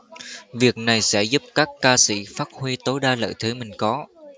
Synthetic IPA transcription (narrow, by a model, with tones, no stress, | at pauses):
vi˨˩ək̚na˨˩jsɛ̰˧˥zu˦˥p̚kaː˦˥kkaː˧sḭ˧˥faː˦˥t̚hwi˧t̪o˨˦jɗaː˧lə̰ː˧˨jt̪ʰɨ˨˦mï˨˩ŋ̟kɔ˨˦